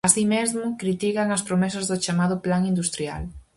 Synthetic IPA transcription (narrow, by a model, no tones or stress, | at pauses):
asimezmʊkɾit̪ikaŋɐspɾomɛsɐzðʊt͡ʃamað̞ʊplaŋind̪ust̪ɾia̰l